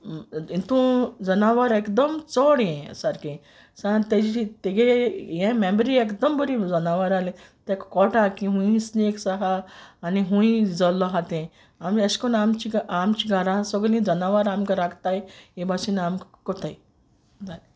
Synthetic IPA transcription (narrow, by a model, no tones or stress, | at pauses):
ĩt̪ũd͡zənaʋaɾekd̪əmt͡sɔɽjɛ̃saɾkĩ | sãt̪ed͡ʑit̪eɡejɛ̃mẽmbəɾiekd̪əmbəɾĩd͡zənaʋaɾalẽ | t̪ekkɔʈakĩɦũĩsneksaɦaːniɦũĩd͡zəlɔɦat̪ẽ | ameskɔnamt͡ɕiɡamt͡ɕiɡʱaɾãsəɡlĩd͡zənaʋaɾamkaɾakt̪ajebasinamkkɔt̪ʰaj | d͡zale